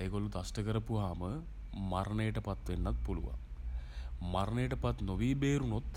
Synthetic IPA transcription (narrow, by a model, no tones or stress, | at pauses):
eːɡolːut̪asʈɐkəɾəpuɦaːmə | maɾɳejəʈəpat̪ʋenːɐt̪̚pulṵʋa̰ | maɾɳejəʈəpat̪noʋiːbeːɾunot̪